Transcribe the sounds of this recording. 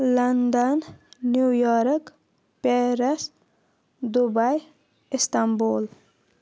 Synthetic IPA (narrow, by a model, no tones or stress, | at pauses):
lɐnd̪ənːjujɔɾk | peɾəs | d̪ubaj | ist̪ambol